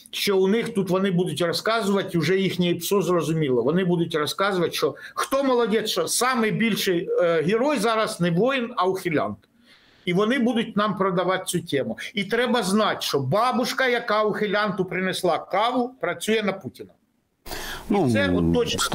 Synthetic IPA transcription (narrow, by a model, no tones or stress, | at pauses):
ʃt͡ʃɔʊnɪxt̪ut̪ʋɔnɪbud̪ʊtʲrɔskɑzʊʋɐtʲuʒɛjixnʲijipsɔzrɔzʊmʲilˠɔʋɔnɪbud̪ʊtʲrɔskɑzʊʋɐtʲʃt͡ʃɔxt̪ɔmɔlˠɔd̪ʲɛʃt͡ʃɔsɑmɪjbʲilʲʃɪjɦʲɪɾɔjzɑɾɐznɛʋɔjɪnɐwxʲɪlʲɑ̰nt̪ | iʋɔnɪbud̪ʊt̚ʲnɑmpɾɔd̪ɐʋɑt̪̚ʲt͡sʲutʲɛmʊit̪ɾɛbɐznɑtʲʃt͡ʃɔbɑbʊʃkɐjɐkɑʊxɪlʲɑnt̪ʊpɾɪnɛslˠɑkɑʋʊpɾɐt͡sʲujɛnɐputʲinɐ | ɔsɛɔt̪ːɔt͡ʃ